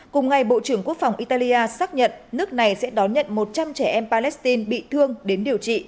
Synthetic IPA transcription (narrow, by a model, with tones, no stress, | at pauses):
kʊ˨˩ŋ͡mŋa˨˩jɓo̰˧˨t͡ɕɨ˧˩əŋku˦˥ək̚fa˨˩wŋ͡mʔi˧t̪aː˧li˧ʔaː˧saː˦˥k̚ɲə̰˧˨nnɨ˦˥ək̚na˨˩jsɛ̰˧˥ɗɔ˨˦nɲə̰˧˨nmo˨˩t̚t͡ɕa˧mt͡ɕɛ˧˩ʔɛ˧mpaː˧lɛ˦˥st̪i˧nɓḭ˧˨t̪ʰɨ˧əŋɗe˨˦nɗi˨˩əwt͡ɕḭ˧˨